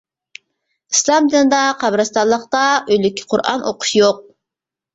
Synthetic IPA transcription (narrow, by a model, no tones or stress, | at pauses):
islˠɑmd̪ɨnd̪ɑqʰɑbɾɑst̪ɑlˠəqt̪ɑøjlykʲʰːi̥qʰʊɾʔɑ̰nʔo̰qʊ̥ʃjoq̚